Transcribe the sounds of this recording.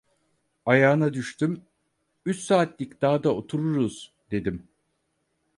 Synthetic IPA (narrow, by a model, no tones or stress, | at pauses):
ajaːɯnad̪yʃt̪ʰym | yt͡ʃsaːt̪lʲicd̪̥aːd̪ao̞t̪ʰuɾuɾuz̥ | d̪e̞d̪im